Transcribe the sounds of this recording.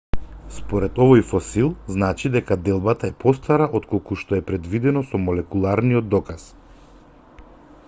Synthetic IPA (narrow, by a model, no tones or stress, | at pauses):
spɔɾɛt̪ɔvɔjfɔsilˠznat͡ʃid̪ɛkad̪ɛlˠbat̪aɛpɔst̪aɾaʔot̪kolˠkuʃt̪ɔɛpɾɛd̪vid̪ɛnɔsɔmɔlɛkulˠaɾniɔd̪ːɔkas